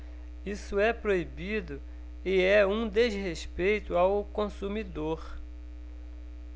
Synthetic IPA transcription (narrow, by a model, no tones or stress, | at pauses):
isʊɛpɾoibid̪ʊ | ɪɛũd̪ezɦespejt̪ʊawkõsumid̪oɾ